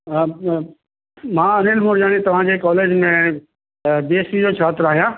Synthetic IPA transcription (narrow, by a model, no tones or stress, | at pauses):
mãːɐnelmʊɾd͡ʒaːɽ̃it̪ɐʋ̤ãd͡ʑeːkaːleːd͡ʑmẽ | d̪eːsid͡ʑoːt͡ʃʰaːt̪ɾaːɦijãː